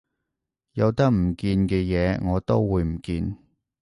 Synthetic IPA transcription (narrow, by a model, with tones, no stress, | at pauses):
jɐ˨˧wt̪ɐ˥k̚m̩˨˩kiː˧nkɛː˧jɛː˨˧˦ŋɔː˨˧t̪o˥wwuː˨˧jm̩˨˩kiː˧n